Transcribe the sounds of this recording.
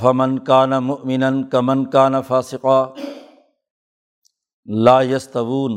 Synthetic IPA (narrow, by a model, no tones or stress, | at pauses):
fɐmɐnkaːnamʊʔmɪnɐnkɐmɐnkaːnafaːsɪqaː | laːjɐst̪ɐwuːn